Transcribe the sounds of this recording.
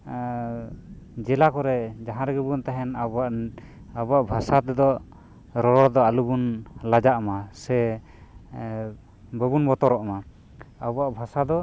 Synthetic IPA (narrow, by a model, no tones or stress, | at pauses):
d͡ʒɛlakɔɾɛd͡ʒaɦãɾɛɡɛbunt̪aɦɛnabaʔ | abaʔbʱasat̪ɛd̪ɔ | ɾɔɾɔd̪ɔalubunlad͡ʒaʔmasɛ | bəbunbɔt̪ɔɾɔʔma | abaʔbʱasad̪ɔ